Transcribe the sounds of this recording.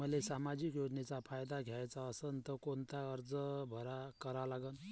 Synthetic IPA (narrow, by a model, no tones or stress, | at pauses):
məlesamad͡ʑikjod͡ʑnet͡sapʰajd̪aɡʱjajt͡saəsənt̪əkont̪aəɾd͡zəbʱəɾakəɾalaɡən